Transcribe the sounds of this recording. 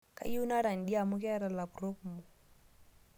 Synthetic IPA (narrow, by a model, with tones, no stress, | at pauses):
ka̰˦ju˦na˦ɾa˨n˨di˦a˦˨mu˦kɛ˦ɾa˨la˨pɾo˦kmu˨